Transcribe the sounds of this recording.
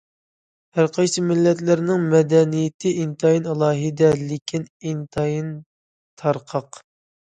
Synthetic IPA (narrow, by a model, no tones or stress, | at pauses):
hæɾqʰɑjsɨmɪlːɛt̪lɪɾnɪŋmɛd̪ɛnijɪt̪ʰɪint̪ʰɑjinɑlˠɑːɦɨd̪ɛlɪkʲʰinint̪ʰɑjin | t̪ʰɑɾqʰɑq